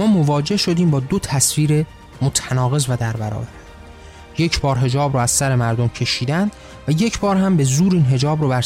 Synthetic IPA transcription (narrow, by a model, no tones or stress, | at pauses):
mɒːmo̞vɒːd͡ʒe̞hʃo̞d̪iːmbɒːd̪o̞t̪ʰæsviːɾe | mot̪ʰænɒːɣe̞zvæd̪æɾbæɾɒ̰ːbæɾ | je̞cʰbɒːɾɦe̞d͡ʒɒːbɾoːæz̥sæɾe̞mæɾd̪omcʰe̞ʃiːd̪ænd̪̥ | væje̞cʰbɒːɾhæmbe̞zuːɾiːnɦe̞d͡ʒɒːbɾobæɾ